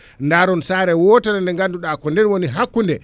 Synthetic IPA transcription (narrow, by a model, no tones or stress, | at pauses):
ndaɾɔnsaːɾɛwɔtanandɛŋɡanduɗakɔndɛnwoniɦakːundɛ